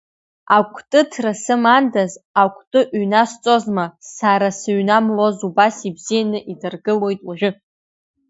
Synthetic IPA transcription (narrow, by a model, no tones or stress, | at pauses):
akʷʼʰtʼɨtʰrasɨmandazakʷʰtʼɨʔɥɥnast͡sʼo̞zmasaɾasɨɥnamlo̞zubasibz̥ijanɨʔidɨrɡɨlo̞jtʼwaʒʷᶣʊ